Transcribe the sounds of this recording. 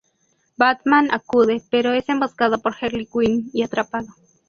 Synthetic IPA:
bat̪manakuðepeɾoesemboskaðopoɾxeɾlikʷiniiat̪ɾapaðo

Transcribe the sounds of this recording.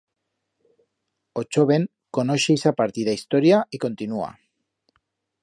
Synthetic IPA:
ot͡ʃoβeŋ | ko̞noʃejsapaɾt̪iðaist̪oɾjaiko̞nt̪inua̰

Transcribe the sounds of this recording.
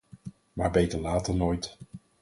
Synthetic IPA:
maːɹbejtəɹlaːtəɹnoːjt

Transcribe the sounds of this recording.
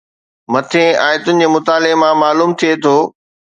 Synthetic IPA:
mɐt̪ʰẽaːjt̪ʊnɪ̃̆ɲd͡ʑeːmʊt̪aːlemãmaːluːmt̪ʰijet̪ʰoː

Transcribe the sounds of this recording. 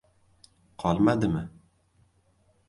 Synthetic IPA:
qʰɒlˠmad̪ɪmɪ

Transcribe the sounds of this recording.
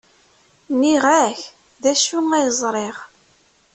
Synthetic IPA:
niʁæç | ðæʃuæjəzˤɾˤeʁ

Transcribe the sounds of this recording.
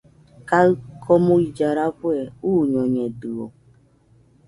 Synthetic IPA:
kakʰɔmʊid͡ʒaɾakʷeuɲɔɲeduo̰

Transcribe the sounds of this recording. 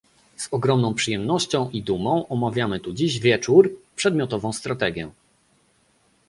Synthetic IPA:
z̥ɔɡɾɔmnɔ̃w̃pʂɘjɛmnɔɕt͡ɕɔ̃w̃ʔid̪umɔ̃w̃ʔɔmavʲjamɘt̪ud͡ʑiʑvʲjɛt͡ʂuɾpʂɛd̪mʲjɔt̪ɔvɔ̃w̃st̪ɾat̪ɛɡʲjɛ

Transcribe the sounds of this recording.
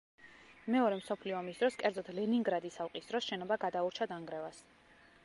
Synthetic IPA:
mɛɔɾɛmsɔpʰliɔamisd̪ɾɔskʼɛɾd̪zɔt̪ʰlɛniŋɡɾad̪isalˠqʼisd̪ɾɔsʃɛnɔbaɡad̪auɾt͡ʃʰad̪aŋɡɾɛvas

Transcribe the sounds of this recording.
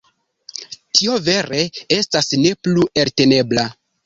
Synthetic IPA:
tio̞ve̞ɾe̞e̞stasne̞plueɾte̞ne̞bla

